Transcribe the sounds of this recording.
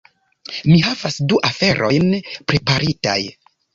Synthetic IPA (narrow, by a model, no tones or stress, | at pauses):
miɦavasduʔafe̞ɾʔo̞̰jnpɾe̞paɾita̰j